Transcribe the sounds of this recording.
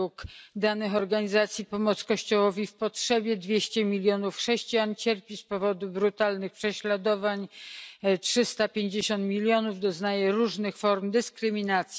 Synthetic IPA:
ukd̪anɘxɔɾɡaɲizat̪sʲjipɔmɔt̪skɔɕt͡ɕɔwɔvʲifpɔtʂɛbʲjɛd̪vʲjeɕt͡ɕɛmʲilʲjɔnufxʂɛɕt͡ɕijant͡ɕɛɾpʲispɔvɔd̪ubɾut̪alnɘxpʂɛɕlad̪ɔvaɲ | tʂɘst̪apʲjeɲd͡ʑeɕɔ̃nt̪mʲilʲjɔnuvd̪ɔznajɛɾuʐnɘxfɔɾmd̪ɘskɾɘmʲinat̪sʲ

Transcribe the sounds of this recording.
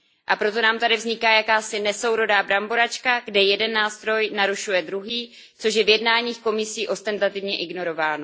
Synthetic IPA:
ʔapɾo̞t̪o̞naːmt̪adɪvzɲɪkaːjakaːsɪnɛso̞wɾo̞daːbɾamboɾat͡ʃkaɡdɛjɛdɛnːaːst̪ɾo̞jnaɾuʃujɛd̪ɾuɦiː | t͡so̞ʃ̬jɛvjɛdnaːɲiːxko̞mɪsiːʔo̞st̪ɛnt̪at̪ɪvɲɛʔɪɡno̞ɾo̞vaːno

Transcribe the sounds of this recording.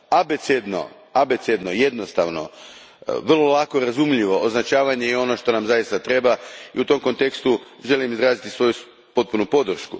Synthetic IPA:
abet̪sed̪no̞̰ | abet̪sed̪noje̞d̪no̞st̪a̰ʋno̞̰ | ʋr̩lo̞lako̞ɾazumʎiʋo̞ʔoznat͡ʃaːʋaɲeeo̞noʃt̪o̞namzajist̪at̪ɾe̞baḭut̪o̞mko̞nt̪e̞kst̪u | ʒe̞limizɾaːzit̪isʋo̞ju | po̞t̪̚punupo̞d̪r̩ʃku

